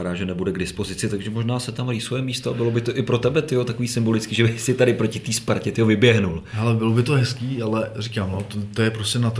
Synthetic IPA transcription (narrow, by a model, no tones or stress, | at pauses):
adaːʒɛnɛbudɛɡdɪspo̞zɪt͡sɪt̪aɡʒɛmo̞ʒnaːsɛt̪amɾiːsvojɛmist̪oabɪlo̞bɪt̪oʔɪpɾo̞t̪ɛbɛt̪ɪjot̪akoviːsɪmbo̞lɪt͡skiːʒɛbɪsɪt̪adɪpɾo̞cɪt̪iːspaɾcɛt̪ɪovɪbjɛɦnulɦɛlɛbɪlobɪt̪oɦɛskiːalɛrikaːmnot̪t̪ojɛpɾoscɛnat̪